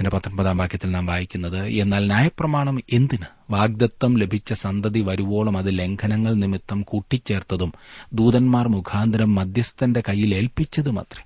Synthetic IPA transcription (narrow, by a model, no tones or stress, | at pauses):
indepɐt̪ːrɐmbɐðaːmbʱaːkʰjɐt̪ːilnaːmʋaːjikʲːunːɐðɨe̞nːaːlnjaːjɐprɐmaːɳɐme̞nd̪inɨ | ʋaːɡ̚d̪ɐt̪ːɐmle̞bʱit͡ɕːɐsɐnd̪ɐðiʋɐɾuʋo̞ːɭɐmɐðɨle̞ŋkʰɐnɐŋːɐɭnimit̪ːɐmkuʈːit͡ɕːe̞ːrt̪ɐðumd̪uːðɐnmaːrmukʰaːnd̪ɐɾɐmːɐd̪jɐst̪ɐnde̞kɐjːile̞ːlpit͡ɕːɐðumɐ̰t̪rɐ